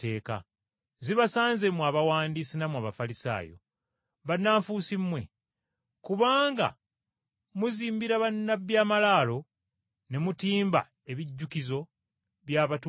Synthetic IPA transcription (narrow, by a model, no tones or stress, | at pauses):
te̞ːka̰ | ziβasaːnze̞muaβawaːndisinamuaβafalisa̰ːjo̞̰ | βanːaːɱfusimwe̞̰ | kuβaːŋɡa̰ | muziːmbiɾaβanːabjaːmalaːlo̞ | ne̞mutiːmba̰ | e̞βiɟːukizo̞ | βjaβat